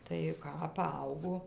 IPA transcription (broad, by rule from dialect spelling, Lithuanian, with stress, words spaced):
tɐɪ ˈkɑː pɐˈɐʊɡoː